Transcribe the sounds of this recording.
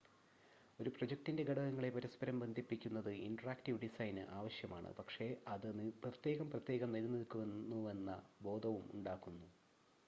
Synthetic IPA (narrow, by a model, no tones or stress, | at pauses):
o̞ɾupro̞d͡ʑek̚ʈinde̞ɡɐɽɐɣɐŋːɐɭe̞pɐɾɐspɐɾɐmbɐnd̪ʱipːikʲːunːɐðɨinɖɐraːkʈiʋɖisɐjnɨ̰ʔaːʋɐɕjɐma̰ːɳɨ̰pɐkʂe̞ɐðɨprɐt̪je̞ːɣɐmprɐt̪je̞ːɣɐmnilnilkːuʋenːue̞nːɐbo̞ːd̪ʱɐʋumṵɳɖaːkːunːu